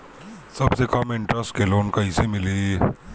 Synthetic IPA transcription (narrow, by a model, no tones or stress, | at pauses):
sɐbsekɐmɪ̃ɳʈɾəsʈ̚keloːnkɐɦisemɪliː